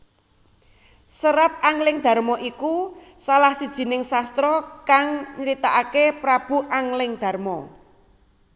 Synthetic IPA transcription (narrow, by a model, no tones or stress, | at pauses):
səɾap̚aŋlɪŋd̪̥a̤rmɔʔikusalahsid̥ʒ̥i̤nɪŋsast̪ɾɔkaŋɲəɾit̪aʔakepɾab̥ṳʔaŋlɪŋd̪̥a̤rmɔ